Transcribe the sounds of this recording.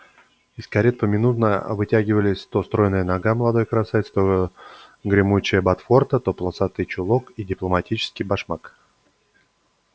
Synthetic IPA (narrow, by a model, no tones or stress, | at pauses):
ɪskɐɾʲet̪̚pəmʲɪnut̪nəvɨtʲæɡʲɪvəlʲɪsʲt̪o̞st̪ɾo̞jnəjənɐɡaməlˠɐd̪o̞jkɾɐsaɪt̪st̪o | ɡɾʲɪmut͡ɕɪjəbɐt̪fo̞rt̪ət̪o̞plˠəsat̪ɨt͡ɕʊlˠokidʲɪplˠəmɐtʲit͡ɕɪ̥skʲɪjbɐʂmak